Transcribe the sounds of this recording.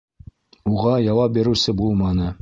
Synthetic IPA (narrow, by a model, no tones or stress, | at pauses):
uʁɑjɑwɑp̚biɾɘ̆wsɘbulˠmɑnɤ